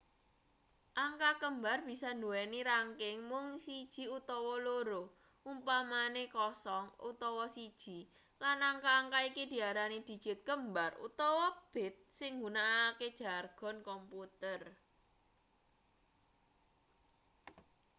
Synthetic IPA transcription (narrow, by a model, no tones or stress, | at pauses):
ʔaŋkakəmbarb̥i̤sɔnduwɛniɾaŋkɪŋmʊŋsid̥ʒ̥i̤ut̪ɔwɔloɾo | ʔumpamanekɔsɔŋṵt̪ɔwɔsid̥ʒ̥i̤ | lanaŋkaːŋkaikid̪̥i̤aɾanid̪̥i̤d̥ʒ̥ɪ̤t̪̚kəmbarṵt̪ɔwɔb̥ɪ̤t̪̚sɪŋːɡunaːked̥ʒ̥a̤rɡ̥ɔ̤nkɔmput̪ər